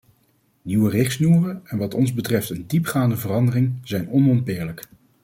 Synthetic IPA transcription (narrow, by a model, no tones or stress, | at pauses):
niwərɪχsnuːrəɛnʋɑtɔnzbətrɛftəndipχaːndəvərɑndərɪŋz̥ɛjnɔnɔntbɪːɹlək